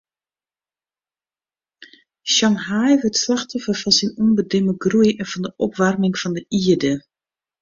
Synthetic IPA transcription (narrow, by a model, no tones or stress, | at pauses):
ʃɑŋɦajʋətslaxtɔfəfɔnsinunbədɪməɡrujɛnfɔndəʔɔpʋarmɪŋfɔndəʔiədə